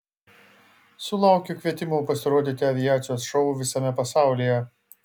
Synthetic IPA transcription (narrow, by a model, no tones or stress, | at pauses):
sʊlˠɑˑʊkʲʊkʲʋʲiɛt̪ʲɪmupɐsʲɪɾoːd̪ʲit̪ʲɪɐʋʲɪjæːt̪sʲɪjoːsʃɔʊʋʲɪsɐmʲɛpɐsɑˑʊlʲijɛ